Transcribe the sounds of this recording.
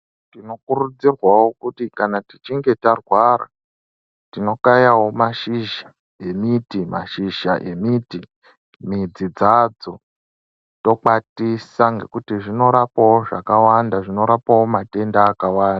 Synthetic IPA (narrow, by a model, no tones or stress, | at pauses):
tino̞kurud͡zirwawo̞kutikanatit͡ʃiŋɡe̞tarwaɾa̰ | tino̞kajawo̞maʃiʒa | e̞mitima̰ʃiʃaʔe̞miti | mid͡zid͡zad͡zo̞ | to̞k͡patisaŋɡe̞̰kutiʐino̞ɾapawoʐakawandaʐino̞ɾapawo̞mate̞ndaːkawaːnda